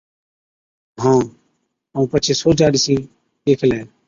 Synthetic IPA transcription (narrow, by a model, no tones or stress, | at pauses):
ɦãː | ũːpət͡ʃʰeːsoːd͡ʒaːɗisĩː | eːkʰlɛː